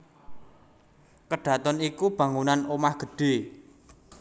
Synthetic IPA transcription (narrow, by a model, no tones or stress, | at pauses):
kəɖ̥ä̤t̪ɔnikub̥ä̤ŋunanomahɡ̥ə̤ɖ̥e̤